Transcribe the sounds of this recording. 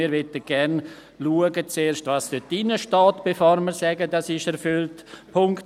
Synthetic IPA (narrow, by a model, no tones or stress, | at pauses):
iːɾʋɛtəɡ̥ɛɾn | luəɡət͡seːɾʃtvɑstøtinəʃtaːtb̥efoɾməɾsɛɡədɑsɪʃɛɾfʏltpʰʊŋkt